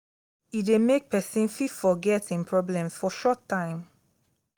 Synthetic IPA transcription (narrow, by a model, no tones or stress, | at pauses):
idemek̚pʰɛsĩnfifɔɡɛtĩŋpʰɹɔblɛ̃msfɔʃɔtʰːãɪ̃m